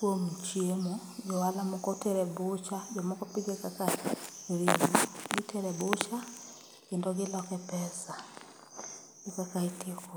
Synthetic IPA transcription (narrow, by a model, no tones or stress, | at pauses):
kuomut͡ʃiemod͡ʒɔwalamokotɛɾɛbot͡ʃad͡ʒɔmokopiɡekakaɾimuɡitɛɾɛbot͡ʃa | kendɔɡelɔkɛpɛsa | ekakaitekɔ